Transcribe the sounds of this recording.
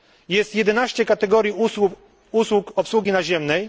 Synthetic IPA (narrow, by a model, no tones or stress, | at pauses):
jɛst̪jɛd̪ɛnaɕt͡ɕɛkat̪ɛɡɔɾʲjiu | uswukɔpswuɡʲinaʑɛmnɛj